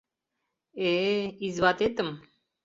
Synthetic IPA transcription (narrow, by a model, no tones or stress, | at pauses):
eizvat̪et̪əm